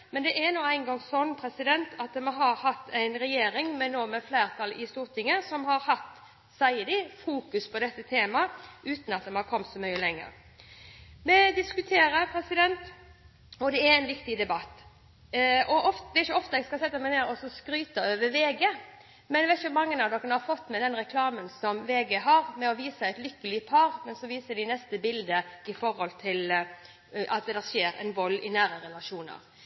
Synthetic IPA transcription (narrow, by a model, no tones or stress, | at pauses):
mɛnd̪ɛʔænuːæɪnɡɔŋsɔnːpʰɾɛsɪd̪ɛnt̪ʰɑt̪mɛɦɑɾhɑt̪ːæɪnɾɛjeːɾɪŋmɛnoːmɛfleːɾt̪ʰɑlɪst̪uːɾt̪ʰɪŋːəsɔmhɑɾhɑt̪ː | sæɪəd̪ɪfuːkʉspʰɔd̪ɛt̪ːət̪ʰeːmɑʉːt̪n̩ɑt̪̚d̪ɛmhɑɾkʰɔmt̪sɔmyːəlɛŋːə̰ɾ | mɛd̪ɪskʉt̪ʰeːɾəɾpʰɾɛsɪd̪ɛnt̪ | ɔd̪ɛææɪnʋɪkt̪ɪd̪ɛbɑt̪ː | ɔʔɔfd̪ɛɾɪçːəɔft̪əɛɡskɑsɛt̪ːɑmɛneːɾɔsɔskɾyːt̪ɑøːʋəɾʋeːɡeː | mɛnɛʋɛɪt̪çəmɑŋːənɑʋd̪ɔkːənəhɑɾfɔt̪ːmɛd̪ɛnɾɛkʰlɑːmənsɔmʋeːɡeːɦɑɾmɛɔʋiːsəɛɪt̪lʏkːəlɪpʰɑːɾmɛnsɔʋiːsəɖ̪ɪnɛst̪əbɪld̪əɪfɔɾhɔlt̪ʰɪl | ʔɑ̰t̪̚d̪d̪ɛseːɾɛ̰nʋɔlːɪ̰næːɾəɾɛlɑʃuːnə̰ɾ